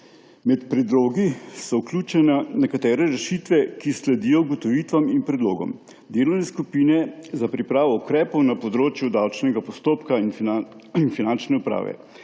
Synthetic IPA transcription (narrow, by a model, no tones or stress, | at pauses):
mɛt̪pɾɛd̪ɾoːɡisɔuklʲuːt͡ʃɛnanɛkat̪ɛːɾɛɾɛʃit̪ʋɛkislɛd̪iːjɔuɡɔt̪ɔʋiːt̪ʋaminpɾɛd̪loːɡɔ̰m | d̪eːlɔwnɛskupiːnɛzapɾipɾaːʋɔukɾɛːpɔwnapɔd̪ɾoːt͡ʃjud̪awt͡ʃnɛɡapɔst̪oːpkain | infinant͡ʃnɛupɾa̰ːʋɛ̰